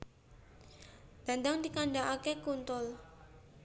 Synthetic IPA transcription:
d̪̥and̪aŋdikanɖaʔakekunt̪ʊl

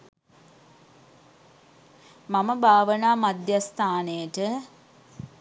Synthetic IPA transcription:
maməbʱaːʋənaːmad̪jast̪aːnejəʈə

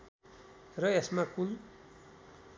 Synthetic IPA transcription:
rʌesmakul

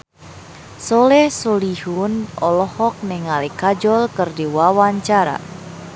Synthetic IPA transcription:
sɔlɛhsɔlihunɔlɔhɔk̚nɛŋalikad͡ʒɔlkɨrdiwawaɲt͡ʃaɾa̰

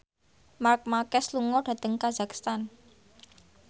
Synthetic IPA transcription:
mark̚makɛsluŋɔɖ̥a̤t̪əŋkazakst̪an

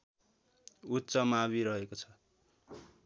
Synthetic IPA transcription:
utːt͡sʌmaβiɾʌɦekot͡sʰʌ

